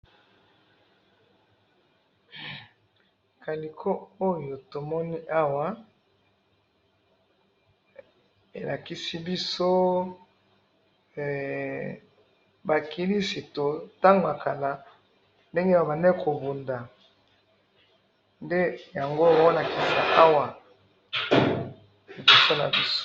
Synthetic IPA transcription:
ka˨li˨kʰo˦o˦jo˨to˨mɔ˦ni˦ʔa˦wa˨ | e˨la˨ki˦si˦bi˦so˦˨ | ba˨ki˦li˦si˨to˨ta˦ŋɡo˨a˨ka˨la˨ | nde˦ŋɡe˦˨ba˨nɛ˦kʰo˨bu˨nda˨ | nde˦ja˨ŋɡo˦˨ba˨wɔ˦na˨ki˨la˨na̰˨ʔa˦wa˨ | bi˨so˦na̰˨bi˦s

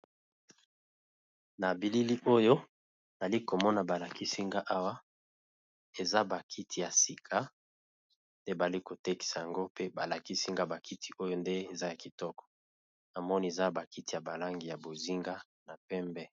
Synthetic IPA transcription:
na˨bi˨li˦li˦ʔo˦jo˦˨ | a˨li˦ko˨mɔ˦na˨ba˨la˨ki˦si˦ŋɡa˦ʔa˦wa˦ | e˨za˦ba˨kʰi˦tʰi˨ja˨si˨kʰa˦ | nde˦ba˨li˦ko˨te˦ki̥˨sa˨ja˨ŋɡo˦pe˦ba˨la˨ki˦si˦ŋɡa˦ba˨kʰi˦ti̥˨o˦jo˦nde˦e˨za˦ja˨ki˨tɔ˦kɔ̥˨ | na˨mɔ˦ni˨e˨za˦ba˨ki˦ti˨ja˨ba˨la˦ŋɡi˨ja˨bo˨zi˦ŋɡa˦ | na˨pɛ˦mbɛ˦

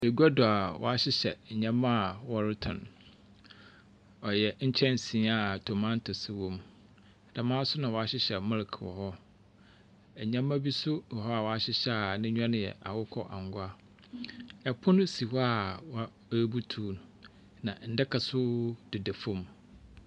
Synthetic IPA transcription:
e˨ɡa˦dʊ˨a˨wʔɔ̰˨a˦ɕɪ˦ɕɛ˨ɲã˦mã˦˨wɔ˦ɾɪ˦tʰʊ̰̃˨n | ɔ˨jɛ˨ɲ̩˦t͡ɕʰɛ̃˦n˨sĩ˨˦a˨tʰo˨mã˦n˦tʰʊ˨sɪ˦wɔ̃˦˨m˨ | d̥a˨mãː˦sʊ˦nã˨wɔ˨a˨ɕɪ˦ɕɛ˨mɪ̃˦lkʰwɔ̰˨hɔ˦ | ɛ˨ɲã˦mã˦bi˦sʊ˦wɔ˨ɦɔ˦a˨wɔ˨˦a˦ɕɪ˦ɕɛ˦a˨nɪ̃˦ɲᶣ˦ã˦nɪ̃˨jɛ̰˨ʔa̰˨wʊ˦kʰɔ̰˦ʔa̰˨ŋ˦ɡʊ˦a˦ | ɛ˨pʰʊ̃˦nʊ̃˦si˨hɔ˦a˦˨wa˦ | bu˦tʰuː˨˦˨n˨ | nã˨n̩˨dɪ˦kʰa˨sʊ˦d̥ɪ˨de˨fõ˦m

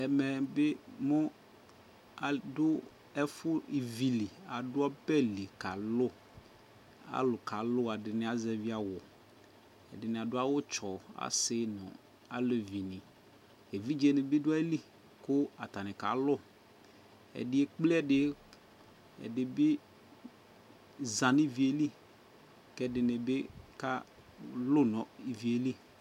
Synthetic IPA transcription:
ɛ˨mɛ˨bɪ˦mʊ̃˦ | a˨dʊ˦ | ɛ˦fʊ˦i˨vi˨li˨a˨dʊ˦a˦bɛ˦li˨ka˨lʊ˦ | a̰˦lʊ˨ka˨lʊ˦a˨dɪ˨nɪ˨˦a˨zɛ˨vi˦a˨wʊ˨ | ɛ̰˨dɪ˨nɪ̃˨a˨dʊ˦a˦wʊ˦t͡ʃɔ˨a̰˦sɪ˦nʊ̃˨ | a̰˦lo˨vi˨nɪ̃˨ | e˨vi˦d͡ʒe˨nɪ˨bɪ˦dʊ˦a˦e˦li˦ | kʊ˦a˨t̪a˨nɪ̃˨ka̰˨lʊ˦ | ɛ̰˨dɪ˦e˦k͡ple˦ɛ˦dɪ˦ | ɛ̰˨dɪ˨bɪ˦ | zã˨nɪ˦vi˨e˨li˦ | kɛ˦dɪ˨nɪ˨bɪ˦ka˦ | lʊ˦nɔ̃˨i˨vi˨e˨li˦

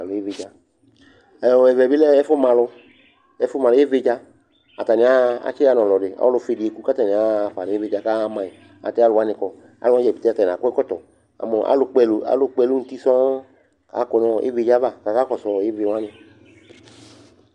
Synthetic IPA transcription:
a˨lʊ˨˦e˦ve˨d͡ʒa˧ | ɛ˨ɛ˨vɛ˨bi˦lɛ˦ɛ˦fʊ˦mã˨lʊ˧ | ɛ˦fʊ˦ma˨lʊ˧˦e˦ve˧d͡ʒa˧ | a˨ta˨nɪ̃˨a˦a̰˨˦t͡ʃi˦a˧˨nɔ̃˨lɔ˨dɪ˨a̰˨˦lʊ˧fe˨di˨e˨ku˦ka˦ta˨nɪ˨a˨˦˨fa˨n˨e˦ve˧˨d͡ʒa˧ka˦˧˦mã˨i˨ | a̰˨tɛ˦a˦lʊ˧wa˦nɪ˧kɔ˨ | a̰˨lʊ˦ã˦d͡ʒɛ˨bi˨t̪e˦a˧ta˨a̰˨kʷɛ˦kɔ˦tɔ˨ | a̰˨mɔ˨ʔa̰˦lʊ˧k͡pɛ˧lu˨a̰˨˦lʊ˧k͡pɛ˧lu˦n̩˨ti˦sɔ˦ | ka̰˨˦kɔ˧nɔ̃˧ḛ˦ve˦˧˦d͡ʒa˦va˦˨ka˨ka˦kɔ˨sɔ˧˨e˦ve˧wã˦nɪ˧

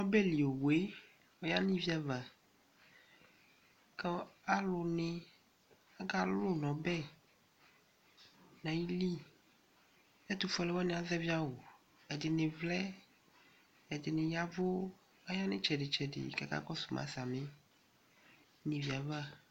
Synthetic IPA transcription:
nɔ̃˦bɛ˦li˨o˨we˦ | wɔ˦ja˦nĩ˦vi˦a˨va˨ | kɛ˦a˦lo˨nẽ˦ | a˦ɡa˦lo˦nɔ̃˨bɛ˦ | nã˨ji˦li˦ | e˦t̪u˨fɔ˦lɛ˦wa˦nẽ˨a˨zɛ˦vi˦a˦wo˨ | ɛ˨dɪ˨nẽ˨vlɛ˦ | ɛ˨dɪ˨nɪ̃˨ja˦vo˦ | a˦ja˦nɪ̰̃˦t͡ʃɛ˨ɖɪ˨t͡ʃɛ˨dɪ̰˨kɛ˨ka̰˦kɔ˦su̥˨mã̰˨sa˨mẽ˦ | nĩ˨vi˨a˨va˦

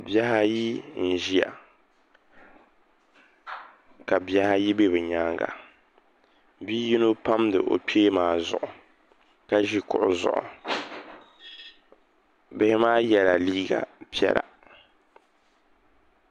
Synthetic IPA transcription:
bja˦ha˦ji˦n̩˨ʒi˦a̰˨ | ka˨bi˦a˦ha˦ji˦be˦bɛ˨ɲaː˦ŋɡa̰˨ | biː˦ji˦no˦pa˦mdɨ̰˨ʔo̰˨peː˦maː˨˦zʊ̰˨ʔʊ˨ | ka˦ʒi˦kʊ˨ʔʊ˨zʊ̰˨ʔʊ̰˨ | bɪ˦hɪ˦maː˦jɛ˨la˨liː˦ɡa̰˨pi˦ɛ̰˦la̰˨

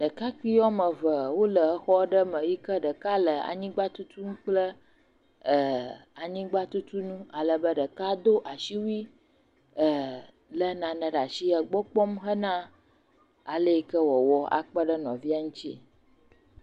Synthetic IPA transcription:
ɖə˨ka˦k͡pi˦ɔ˦mə̃˨və˨wo˦lə˨ə˦xɔ˦ɖə˦mə̃˨wi˦kə˦ɖə˨ka˦lə˨a̰˨ɲĩ˦ɡ͡ba˦t̪u˦t̪u˦nũ˦k͡plə˦ | ə˨a˨ɲĩ˦ɡ͡ba˦t̪u˦t̪u˦nũ˦a˨lə˨bə˦ɖə˨ka˦d̪o˦ʔa˨ʃi˦wi˦ | ə˨ | lə˦nã˨nə̃˨ɖa˨ʃi˦ə˨ɡ͡bɔ˦k͡pɔ˦mɦə˦nã˦ | a˨lə˦i˦kə˦wɔ˨wɔ˦a̰˨k͡pə˦ɖə˦nɔ̃˨vi˦a˦ŋũ˦t͡ɕi˦ḛ˨

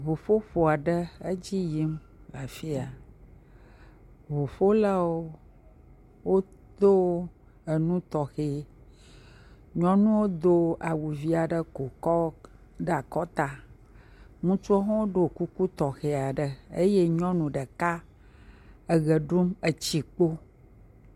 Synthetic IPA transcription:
βo˨fo˦ɸo˨a˨ɖə˦ə˦d͡ʑi˦ji˦m | la˨fi˦a˨ | βo˨ɸo˦la˦wo˦ | wo˦ | d̪o˦ | ə˨nũ˦t̪ɔ˨xe˨ | ɲɔ̃˦nũ˦wo˦d̪o˦a˨wu˨vi˦a˨ɖə˦ko˨kɔ˦ | ɖə˦a˨kɔ˦t̪a˨ | ŋũ˦t͡ʃu˦ɔ˦ɦɔ̃˦wo˦ɖo˨ku˦ku˦t̪ɔ˨xe˨a˨ɖə˨ḛ˦je˦ɲɔ̃˦nũ˨ɖə˨ka˦ | ə˨ɣə˨ɖu˦mə˨t͡ɕi˦k͡po˦

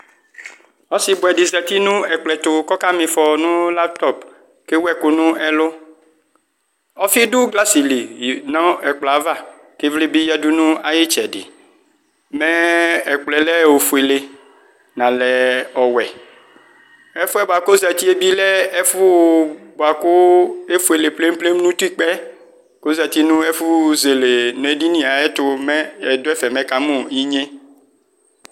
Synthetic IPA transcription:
ɔ˦si˨˦bʊ˨ɛ˨ɖi˨zɛ˨t̪i˦nũ˦ɛ˨k͡plɛ˨t̪ʊ˨kɔ˦ka˦mĩ˨fɔ˨nũ˦la˦b̚t̪ɔ˦˨p | ke˦wɛ˦˨ku˨nũ˦ɛ˦lʊ˦ | ɔ˦fi˦ɖu˦ɡla˦si˨li˨nɔ̃˦ɛ˨k͡pla˨va˦˨ | ke˦vli˦bi˦jɛ˦du˦nũ˦a˨je˦t͡ʃɛ˨ɖɪ̰˨ | mɛ̃˦ɛ˨k͡plɛ˨lɛ˦wo˨fu˨e˨le˦ | nã˨lɛ˨ɔ˨wɛ˨ | ɛ˦fu˦ɛ˦bo˨a˨ko˦zɛ˨t̪i˦e˦bi˦lɛ˦ɛ˦fu˦bo˨a˨ko˦e˦fu˦e˨le˨ple˦m˦ple˦m˦nũ˦t̪u˦i˦k͡pɛ˦ | ko˦zɛ˨t̪i˦nũ˦e˦fu˦ze˨le˨nɛ̃˨di˦nĩ˨˦a˨e˦t̪ʊ˦mɛ̃˦ɛ˨d̪o˦ɛ˦fɛ˨mɛ̃˦ka˦mũ˦i˦ɲẽ˦

